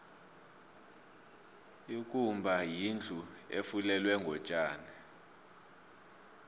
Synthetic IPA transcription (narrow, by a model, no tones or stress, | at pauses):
ik̬ʼumbʱajind͡ɮʱʼuḛfulɛlwɛŋɡʱɔt͡ʃʼaːni